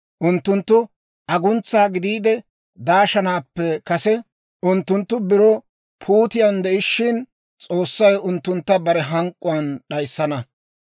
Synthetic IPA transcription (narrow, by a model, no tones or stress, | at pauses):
ʔʊnt̪ːʊnt̪ːʊ | ʔɐɡʊnt͡sːaːɡɪd̪iːd̪ɛ | d̪aːʃɐnaːpːɛkɐsɛ | ʔʊnt̪ːʊnt̪ːʊbɪɾɔ | pʰuːt̪ɪjɐnd̪ɛʔɪʃːɪn | t͡sʼo̞ːsːɐjʊnt̪ːʊnt̪ːɐbɐɾɛɦɐŋkʼːʊwɐnɗɐjsːɐnɐ